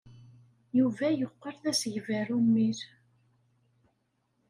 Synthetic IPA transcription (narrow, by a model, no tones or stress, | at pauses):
juvæjəqːəɾθæsəʝvæɾumːiɾ